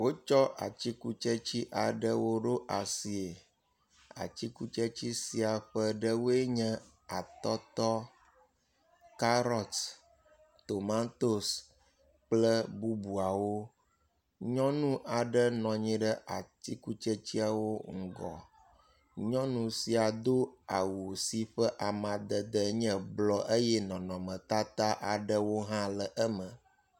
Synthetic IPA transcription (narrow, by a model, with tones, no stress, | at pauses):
wo˦t͡ʃɔ˦ʔa̰˨t͡ɕi˦ku˦t͡ʃe˦t͡ɕi˦ʔa˨ɖə˦wo˦ɖo˦ʔa˨si˨e˨ | a̰˨t͡ɕi˦ku˦t͡ʃe˦t͡ɕi˦si˨a˨ɸə˦ɖə˦wo˦e˦ɲɛ̃˦ | a˨t̪ɔ˦t̪ɔ˦ | ka˦ɾɔ˨t̪ | t̪o˨mã˦t̪o˦s | k͡plə˦bu˦bu˨a˨wo˦ | ɲɔ̃˦nũ˦ʔa˨ɖə˦nɔ̃˨ɲĩ˦ɖə˦ʔa˨t̪i˦ku˦t͡ʃə˦t͡ɕi˦a˨wo˦ŋ̩˦ɡɔ̰˨ | ɲɔ̃˦nũ˨si˨a˨d̪o˦a˨wo˨si˨ɸə˦ʔa˨mã˨d̪ə˨d̪ə˦ɲɛ̃˦blɔ˦ʔe˦jɛ˦nɔ̃˨nɔ̃˨mə̃˨t̪a˦t̪a˦ʔa˨ɖə˦wo˦ɦã˦lə˨ʔə˦mə̃˨